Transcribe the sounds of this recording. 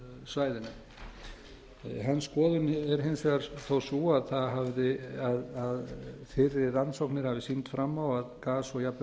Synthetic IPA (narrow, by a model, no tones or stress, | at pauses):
svaːjðɪnʏ | ɦanːskɔːðʏnɛɾɦɪnsɛɣaɾθowsuaðθaðɦavðɪaðaðfɪɾɪrːansowknɪɾ̥havɪsint̪fɾamːawaðkaːsɔɣjapl